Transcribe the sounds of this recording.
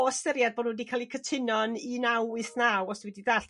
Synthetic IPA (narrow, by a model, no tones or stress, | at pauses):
ɔɔstɛɾjadboːdnuwɛdikʰaːlˠikʰətʰɪnɔninawɨθnawɔsd̥iwɛdiðaɬ